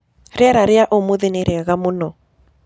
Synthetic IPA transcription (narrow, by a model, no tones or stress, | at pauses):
ɾaɾaɾɪaʔomoðeneɾʔeaɣamonɔ